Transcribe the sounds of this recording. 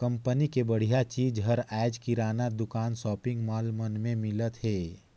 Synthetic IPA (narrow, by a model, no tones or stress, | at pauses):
kə̃mpənikebəɽ̤ijat͡ʃiːd͡ʒɦəɾɛːd͡ʒkiɾaːnad̪ʊkaːnsɔːpɪ̃ŋɡmaːlmənmẽmɪlət̪ɦɛː